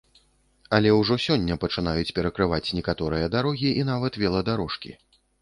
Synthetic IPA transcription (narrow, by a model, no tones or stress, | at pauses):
ɐlʲɛwʐɔsʲɔnʲːɐpɐt͡ʂɨn̪ajut͡sʲpʲɛɾɐkɾɨvat͡sʲnʲɛkat̪ɔɾɨjɐd̪aɾɔɣʲiʔin̪avɐt̪vʲɛlˠɐd̪aɾɔʂkʲḭ